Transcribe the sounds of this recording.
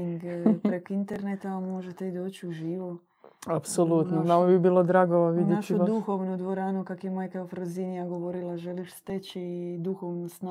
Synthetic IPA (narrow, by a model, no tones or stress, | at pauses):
iŋɡpɾekoint̪eɾnet̪amo̞ʒet̪eid̪o̞ːt͡ɕiuʒiːʋo | apsolut̪nonamobibiːlod̪ɾaːɡoʋaʋinjeat͡ʃiod̪uxoʋnod̪ʋoɾaːnokakjemaːjkaofɾoziniaɡo̞ʋo̞ɾilˠaʒe̞liʃst̪et͡ɕid̪uxoʋnosna